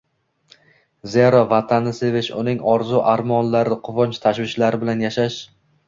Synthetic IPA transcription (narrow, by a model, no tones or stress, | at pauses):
ze̞ɾɒvat̪ʰanːɪsevɪt͡ʃʊ̰nɪŋɒɾzuʔaɾmɒnlaɾɪqʰʊvɒnt͡ʃt̪ʰaʃvɪʃlaɾɪbɪlanjaʃaʃ